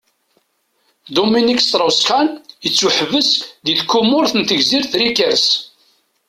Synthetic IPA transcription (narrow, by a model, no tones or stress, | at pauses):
d̪uminikst̪ɾˤəwsxænjət͡sːuħəvəsðiθkːumːʊɾθənt̪əʝziɾθɾikəɾs